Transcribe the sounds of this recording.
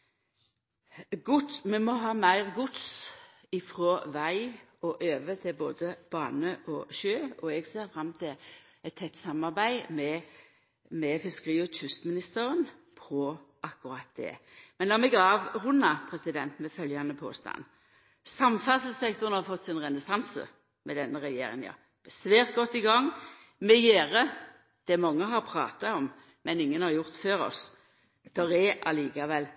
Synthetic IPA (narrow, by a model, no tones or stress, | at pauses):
ɡʊt̪smɛmɔɦɑːmæɪʁɡʊt̪s | ɪfʁɔʋæɪɔʔøːʋət̪ʰɪlboːd̪əb̥ɑːnəʔɔʃøːɔɛɡseːʁfʁɑmːt̪ʰɪl | ɛt̪ʰːɛt̪ːsɑmɑʁbæɪmɛ | mɛfɪskəʁiːɔʉst̪mɪnɪst̪əʁənpʰɔʔɑkːʉʁɑt̪̚d̪ɛ̰ːmɛnlɑmɛɡɑːʋhʊnːɑpʰʁɛsɪd̪ɛnt̪mɛfœljɑnəpʰo̰ːst̪ɑ̰n | sɑmfɑsəl̩sɛk̚t̪ɔʁənhɑɾfɔt̪ːsɪnʁɛnəsɑnsə̰ | mɛd̪ɛnːəʁɛjḛːɾɪ̰ŋjɑ̰ː | b̥əsʋeːʁt̪̚ɡɔt̪ːɪɡɑŋː | mɛjeːʁə | d̪̥ɛmɑŋːəɦɑʁpʰɾɑ̰ːt̪ɑɔm | mɛnɪŋːənhɑɾjʊʁt̪føːɾɔ̰s | d̪̥ɔʁɛʔɑliːkɑʋɛl